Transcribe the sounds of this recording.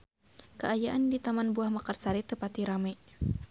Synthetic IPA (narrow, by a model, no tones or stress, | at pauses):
kəʔajaʔandit̪amanbuahmakarsaɾit̪əpat̪iɾamaj